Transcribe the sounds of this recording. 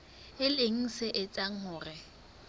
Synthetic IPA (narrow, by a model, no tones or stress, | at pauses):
ɪleŋ̩sɪʔɪt͡sʼaŋ̩ɦʊːrɪ